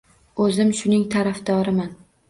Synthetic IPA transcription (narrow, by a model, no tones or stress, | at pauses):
ɵzɪmʃʊnɪŋt̪ʰaɾafd̪ɒɾɪman